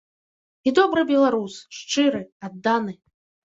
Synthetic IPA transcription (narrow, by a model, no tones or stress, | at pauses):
id̪ɔbɾɨbʲɛlˠaɾusʂt͡ʂɨɾɨad̪ːanɨ